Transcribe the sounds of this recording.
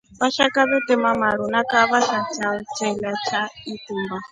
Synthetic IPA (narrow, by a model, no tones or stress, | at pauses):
βaʃakʼaβɛt̪ɛmamaɺunakʼaβaʃat͡sʰat͡ʃʰɛlat͡ʃʰaitʼuːmba